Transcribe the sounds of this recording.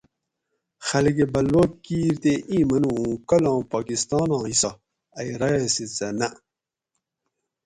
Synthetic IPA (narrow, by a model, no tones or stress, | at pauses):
xɐlɡebɐlwokiːɾt̪eʔĩːmɐnuũːkɐlɑ̃ːpaːkist̪ɑːnɑ̃ːisɐ | ɐiɾɐjesit͡sɐnɐʔ